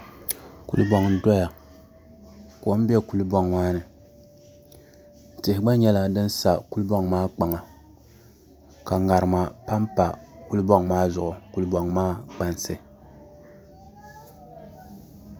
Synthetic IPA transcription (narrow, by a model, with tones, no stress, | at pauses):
kṵ˦lɨ˦bɔ˦ŋn̩˨dɔ˦ja˨ | ko˦m˦bi˦ɛ˦ku˨lu˦bɔ˦ŋmaː˦nɨ˨ | n̩˨tɪ˨hɪ˨ɡ͡ba˦ɲɛ˦la˦dɨ˦n˦sa˨ku˦lbɔ˦ŋmaː˦k͡pa˨ŋa˨ | ka˨ŋa˨ɾɨ˨ma˨pa˦mpa˨ku˦lbɔ˦ŋmaː˦zʊ˨ʔʊ˨ku˦lbɔ˨ŋmaː˦k͡pa˨nsɨ˨